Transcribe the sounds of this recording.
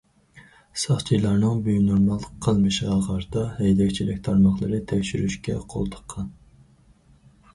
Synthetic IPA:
sɑχt͡ʃʰijlˠɑɾnɨŋbyjnoɾmɑlˠːəqʰːəlˠmɨʃʁɑʁɑɾt̪ɑhɛjd̪ɛkʲt͡ʃʰilɪkʲt̪ʰɑɾmɑχlˠəɾɨt̪ʰɛkʲʃyɾyʃkʲɛqʰo̰lˠt̪ʰə̥qʰːɑn

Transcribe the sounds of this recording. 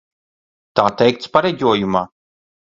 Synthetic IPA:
t̪aːt̪ɛjk̚t̪spaɾɛɟʲuɔjumaː

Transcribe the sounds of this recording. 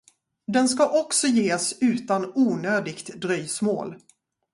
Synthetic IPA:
d̪ɛnskaʔɔksɔjeːsʉ̟ːt̪anuːnøːd̪ɪɡt̪d̪ɾyjsmo̰ːl

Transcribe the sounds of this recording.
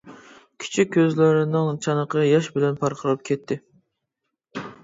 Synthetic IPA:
kʲʰi̥t͡ʃʰikʲʰːøzlɪɾɪnɪŋt͡ʃʰɑnəqʰəjɑʃbɪlɛnpʰɑɾqʰəlˠɨp̚kʲʰɛt̪ʰːɪ

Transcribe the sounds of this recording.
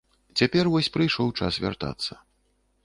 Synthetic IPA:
t͡sʲapʲɛrvɔsʲpɾɨjʂɔwt͡ʂasvʲa̰rt̪a̰t̪sːɐ

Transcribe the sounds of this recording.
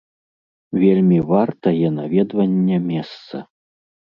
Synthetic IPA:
vʲelʲmʲivart̪ɐjɛnavʲɛd̪vɐnʲːɛmʲɛst̪sɐ

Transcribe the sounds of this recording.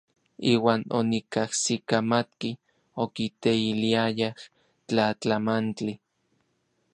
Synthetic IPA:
iːwaːnonikahsikamat̪ki | okit̪eiliajah | t͡ɬat͡ɬamant͡ɬi

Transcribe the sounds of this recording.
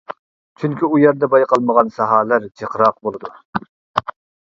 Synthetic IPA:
t͡ʃʰyŋkʲiujɛɾd̪ɛbɑjqɑlˠməʁɑnsɑɦɑːlæɾd͡ʒʰeqɾɑq̚bolˠɨd̪u

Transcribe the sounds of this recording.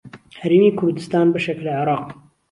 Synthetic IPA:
hɐɾeːmiːkʰʊɾd̪ɨst̪aːnbɐʃeklɐʕɪɾˤɑːq

